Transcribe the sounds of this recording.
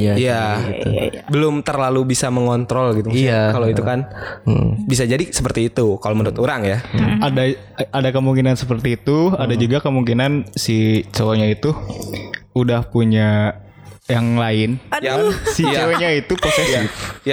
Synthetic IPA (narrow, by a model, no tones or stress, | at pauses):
ija | bəlʊmt̪ərlalubisaməŋɔnt̪ɾɔlɡit̪ukaloit̪ukan | bisad͡ʒadisəpərt̪iːt̪ukaloməndut̪uɾaŋjaada | adakəmuŋkinansəpərt̪iːt̪uadad͡ʒuɡakəmuŋkinansit͡ʃoɲait̪u | udahpuɲa | jaŋlaɪnjasit͡ʃoɲait̪upasɛaja